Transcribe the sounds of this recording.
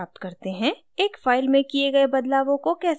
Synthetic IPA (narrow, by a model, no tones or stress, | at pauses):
aːp̚t̪kɐɾt̪eɦɛ̃ | eːkfaːɪlmẽkieɡɐebɐd̪laːʋõkokɛːs